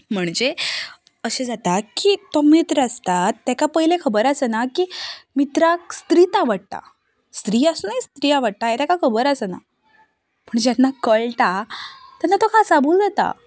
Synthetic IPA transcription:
m̤əɳd͡ʑe | əɕẽd͡zat̪akiːt̪omit̪ɾəəst̪at̪ːakapəɦilekʰəbəɾəsənakiːmit̪ɾakst̪ɾiːt̪aʋəɽ̚t̪a̰ | st̪ɾiːasunist̪ɾiːaʋəɽ̚t̪ajet̪akakʰəbəɾəsəna̰ | pəɳd͡ʑanːakəɭʈ̪at̪janːat̪okʰasabʱuːld͡zat̪a̰

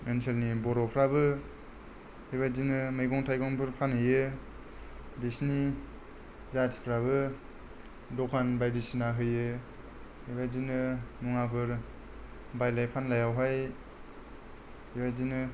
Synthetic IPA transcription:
enselnibɔɾɔpʰɾabɯ | hiβajzinɯmɯjɡɔŋtʰajɡɔŋpʰɯɾpʰanɯjɯ | bisni | zati̥pʰɾaβɯ | dɔkʰanbajdisinaɦɯjɯ | hibazinɯnuŋapʰɯɾ | bajlajpʰanlajawɦaj | hibajzinɯ

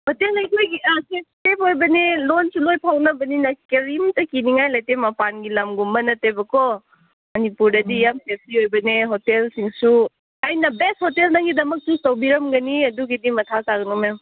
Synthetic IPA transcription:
hotelɐjkʰojɡisep̚stepojbɐnilonsulojpʰawnɐbɐninɐkeɾimtɐkiniŋajlajtemɐpanɡilɐmɡumbɐnɐtebɐkɔ | mɐnipuɾdɐdijamsep̚iojbɐneɦotelsiŋsu | ajnɐbesthotelnaŋɡidɐmɐk̚sustɐwbiɾɐmɡɐniɐduɡidimɐtʰakaɡɐnɔmem

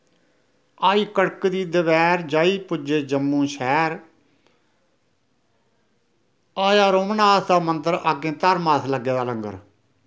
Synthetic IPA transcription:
aːiːkəɽkd̪iːd̪əʋɛːɾd͡ʒaːiːpʊd͡ʒeːd͡ʒəmːũːʃɛːɾ | aːjaːɾoːmnaːsd̪aːmənt̪əɾaːɡẽːt̪əɾmaːsləɡːeːd̪aːləŋɡə̰ɾ

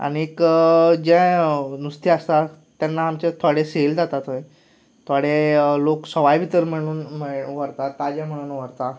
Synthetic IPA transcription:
a̰ñiekəd͡ʑɛ̃nust̪iəst̪a | t̪janːaamt͡ɕẽt̪ʰoɽeseld͡zat̪at̪ə̃j | t̪ʰaɽeloksəʋajbʱit̪əɾm̤əɽ̃uːnm̤əʋəɾt̪at̪ad͡ʑɛ̃m̤əɽ̃uːnʋəɾt̪a

